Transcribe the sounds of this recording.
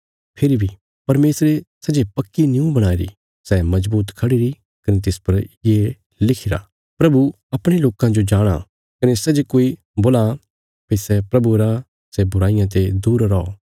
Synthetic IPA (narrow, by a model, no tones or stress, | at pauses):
pʰɪɾibʱi | pɐɾmeːsɾesɐd͡ʒepɐkːinjũbɐɽ̃aːeɾḭ | sɛmɐzbuːt̪kʰɐɽiɾi | kɐnet̪̬ɪspɐɾjeː | lɪkʰɪɾa̰ː | pɾɐbu | ɐpɽ̃eloːkãd͡ʒod͡ʒaːɽ̃a̰ | kɐnesɛd͡ʒekoːi | boːla | pesɛpɾɐbuɾa | sɛbʊɾaːɪjãt̪̬ed̪uːɾɾao